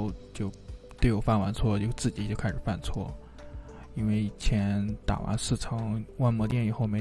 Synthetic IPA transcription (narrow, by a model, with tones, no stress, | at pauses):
ʊt͡ɕjo˥˧ʊt̪e˥˩ɪjo˥˩fa˥˩nwa˧˥nt͡sʰwɔ˥˧t͡ɕjo˥˧ʊt͡sɹ̩˥˩t͡ɕi˨˩t͡ɕjo˥˧ʊkʰa˥ɪʂɻ̩˨˩fa˥˧nt͡sʰwɔ̰˥˩ | i˥nwe˥˩ɪ˩t͡ɕʰjɛ˧˥nt̪a̰˨˩wʔa̰˧˥nsɹ̩˥˩ʈ͡ʂʰɤ˧˥ŋwa˥˩nmwɔ˧˥t̪jɛ˥˩ni˨˩xo˥˩ʊme˧˥